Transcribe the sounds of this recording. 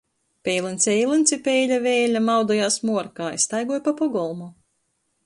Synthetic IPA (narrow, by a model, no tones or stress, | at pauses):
pʲɛjlˠɨnt̪sʲɛjlˠɨnt̪sʲipʲɛːlʲavɛːlʲamawd̪ɔjaːsmuɔɾkaːjst̪ajɡuɔjpapɔɡɔlˠmu